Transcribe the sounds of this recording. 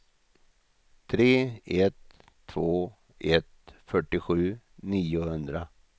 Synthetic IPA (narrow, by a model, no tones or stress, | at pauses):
t̪ʰɾeːɛt̪ʰː | voː | ʔɛt̪fœʈːɪɧʉ̟ː | niːʊhɵnd̪ɾa